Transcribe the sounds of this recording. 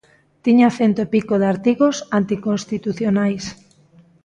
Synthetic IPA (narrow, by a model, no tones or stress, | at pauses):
t̪iɲaθent̪oepikoðaɾt̪iɣosant̪ikõnst̪it̪uθjonajs